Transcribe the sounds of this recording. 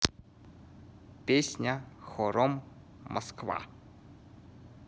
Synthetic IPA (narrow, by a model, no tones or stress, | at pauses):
pʲesʲnʲaxoɾomː | ɐ̰skva̰